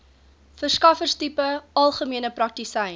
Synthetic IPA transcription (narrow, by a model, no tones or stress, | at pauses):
fərskɐfərstipəɐlˠχəmiənəprɐk̚tisɛj